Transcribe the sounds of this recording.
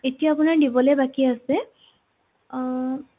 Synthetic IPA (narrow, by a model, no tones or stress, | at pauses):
etijaːpʊnaɹdibɔlɛbakiasɛ